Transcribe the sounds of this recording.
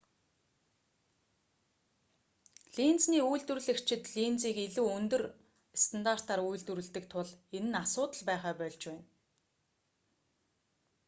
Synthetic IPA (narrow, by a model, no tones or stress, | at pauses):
ɮint͡sniːujɮt̪wŭrɮɘ̆kt͡ɕʰɪ̆t̪ɮint͡siːkeɮuːɵnt̪ɵ̆r | st̪ʰant̪ar̥t̪aːrujɮt̪ŭɾɘ̆ɮt̪ɘ̆k̚t̪ʰʊɮenɘ̆nasʊːt̪ə̆ɮpæːχaːpœɮt͡ɕpæːn